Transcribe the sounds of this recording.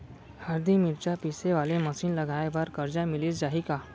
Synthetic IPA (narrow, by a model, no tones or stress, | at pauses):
haɾd̪imiɾt͡ɕapiseʋaleməsiːnləɡʱaeʋəɾkəɾd͡ʑamiliːsd͡ʑaɦika